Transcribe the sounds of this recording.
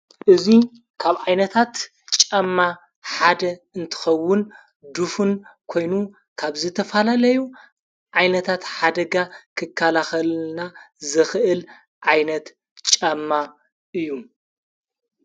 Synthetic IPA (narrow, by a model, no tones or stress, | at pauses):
ʔɨzi | kʰaβʕajnɐt̪ʰat̪ | t͡ʃʼɐmːa | ħad̪ɐɨnt̪ʰɨ̥xɐwːʊn | d̪ufunkʰo̞jnu | kʰaβzɨt̪ʰɐfalalɐju | ʕajnɐt̪ʰat̪ħad̪ɐɡakʰɨkʰːalaxɐlnazɨxɨʔɨl | ʕajnɐt̪ | t͡ʃʼɐmːa | ʔɨjːu